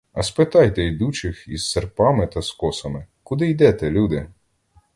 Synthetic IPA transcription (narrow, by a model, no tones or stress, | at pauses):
ɐspɪt̪ɑjt̪ɛjd̪ut͡ʃɪxizːerpɑmɪt̪ɐskɔsɐmɪ | kʊd̪ɪjd̪ɛt̪ɛlʲud̪ɪ